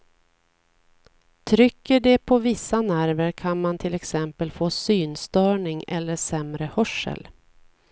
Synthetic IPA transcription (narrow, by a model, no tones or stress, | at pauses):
t̪ʰɾʏkːəɖɛpʰɔvɪsːanæɾvəɾkʰanmant̪ʰɪlɛksɛmpəlfoːsyːnst̪œːɳɪŋɛlːəʂɛmɾəhœʂə̰l